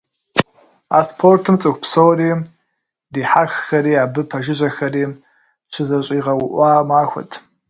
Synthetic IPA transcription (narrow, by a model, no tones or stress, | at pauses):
aːspʰortʰɨmt͡sʼɨxʷpsowriː | diːħaːxxɐriːaːbɨpʰɐʒɪʑɐxɐriː | t͡ʃʰɪzɐɕʼiːʁɐwʊʔʷɑːmaːxʷɐ̰tʰ